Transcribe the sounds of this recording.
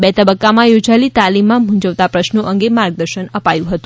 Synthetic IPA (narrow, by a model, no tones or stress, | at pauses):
bet̪əbəkːamãjod͡ʒalit̪alimːãbʱũɲd͡ʒəʋt̪apɾəʃnoʔəŋɡemaɾɡ̚d̪əɾʃənəpajũɦət̪ũ